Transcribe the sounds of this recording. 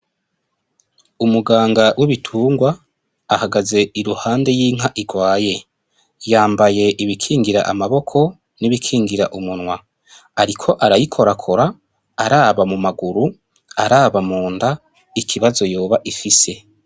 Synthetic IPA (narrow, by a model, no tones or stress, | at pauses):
umuɡaːŋɡawiβitʰuːŋɡwaː | haɡaze̞iɾuhaːnde̞jiŋ̥aʔiɡwaːje̞ | jaːmbaje̞ʔiβikʰiːŋɡiɾaʔamaβo̞kʰo̞ | niβikʰiːŋɡiɾaʔumunwa | aɾikʰo̞ʔaɾajikʰo̞ɾakʰoɾaː | ɾaːβamumaɡuɾu | aɾaːβamuːnda | ikʰiβazo̞jo̞ːβaʔifise̞